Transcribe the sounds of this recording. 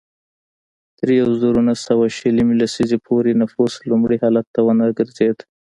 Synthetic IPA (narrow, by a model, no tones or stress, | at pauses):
t̪əɾjawzuɾunasawaʃəlimilasizepʰoɾenafuslumɽihɑlat̪ːawənaɡəɾzed̪